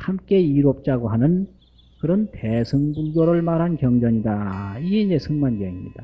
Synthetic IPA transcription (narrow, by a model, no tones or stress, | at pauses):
hamk͈e̞iɾop̚t͡ɕ͈aɡoɦanɯn | kɯɾʌntesʰɯŋbuɡjoɾɯɭmaɾɦankjʌŋd͡ʑʌɲidaiɡe̞iɲd͡ʑe̞sʰɯŋmanɡeimɲḭd̥a